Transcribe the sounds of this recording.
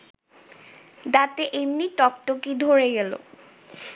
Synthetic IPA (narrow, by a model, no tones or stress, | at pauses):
dat̪eʔemniʈɔk̚ʈokid̪ʱoɾeɡelo̰